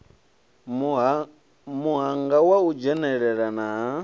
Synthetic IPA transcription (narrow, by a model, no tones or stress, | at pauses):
muɦaŋɡawaud͡ʒɛnɛɺɛɺanaɦa